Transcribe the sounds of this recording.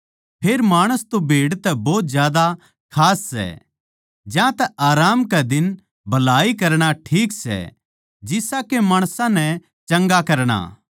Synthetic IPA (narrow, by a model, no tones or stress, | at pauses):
pʰeːɾmaːɽ̃əst̪obʱeːɽt̪ɛbɔːt̪zjaːd̪a | kʰaːsːɛ̰ | d͡ʒjãt̪ɛʔaːɾaːmkɛd̪ɪn | bʱɐlaːikɐɾɽ̃aʈʰiːksɛ̰ | d͡ʒɪsakemaːɽ̃sãnɛ | t͡ʃɐ̃ŋɡakɐɾɽ̃a̰ː